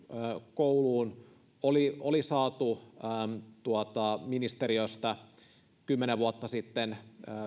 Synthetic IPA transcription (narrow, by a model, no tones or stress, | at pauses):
kouluːn | oliolisɑːt̪uː | t̪uot̪ɑminist̪eɾiøst̪ɑ | kymːeneʋuɑt̪ːɑsit̪ːenː